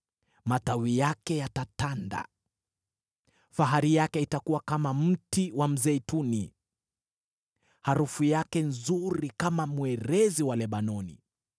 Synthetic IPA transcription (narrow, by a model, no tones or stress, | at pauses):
matawijakɛjatatanda̰ | faɦaɾijakɛitakuwakamam̩tiwam̩zɛitunḭ | haɾufujakɛnzuɾikamamwɛɾɛziwalɛɓanɔnḭ